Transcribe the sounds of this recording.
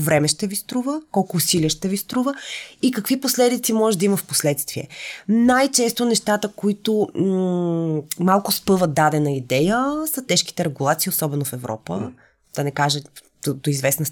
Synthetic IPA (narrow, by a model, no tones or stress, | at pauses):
vɾɛmɛʃt̪ɛvist̪ɾuvəkɔlˠkʊːsiliəʃt̪ɛvist̪ɾuvəikɐkviposlɛd̪it̪simɔʒɛʒd̪ɐiməfposlɛt̪st̪viɛ̰najt͡ʃɛst̪onɛʃt̪at̪əkoit̪ʊ | malˠkʊspɤvəd̪ad̪ɛnɐid̪ɛjəsɐt̪ɛʃki̥t̪ɛɾɛɡulˠat̪siosɔbɛnofɛvɾɔ̰pə | d̪̥ɐnɛkaʒə | d̪od̪oizvɛsnəs